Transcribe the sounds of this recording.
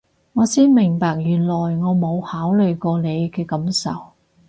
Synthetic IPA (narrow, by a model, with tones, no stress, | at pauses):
ŋɔː˨˧siː˥nmɪ˨˩ŋpaː˨˧k̚jyː˨˩nlɔː˨˩jŋɔː˨˧mo˨˧whaː˨˥wlɵ˨jkɔː˧ne˨˧jkɛː˧kɐ˨˥msɐ̰˨˩w